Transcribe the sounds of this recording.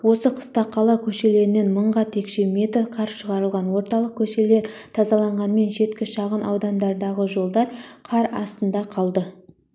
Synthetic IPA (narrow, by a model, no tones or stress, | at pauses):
wo̞səqʰə̥st̪ɑqʰːɑlˠɑkʲʰɵʃe̞le̞ɾɪne̞nməɴʁɑt̪ʰe̞kʃe̞mʲe̞t̪rqʰɑɾʃəʁɑɾəlˠʁɑnwo̞ɾt̪ɑlˠəq̚kʲʰɵʃe̞le̞ɾt̪ʰɑzɑlˠɑɴʁɑnme̞nʒe̞t̪kʲɪʃɑʁənʔɑ̰wd̪ɑnd̪ɑɾd̪ɑʁəʒo̞lˠd̪ɑɾqʰɑɾɑ̰st̪ənd̪ɑqʰɑlˠd̪ə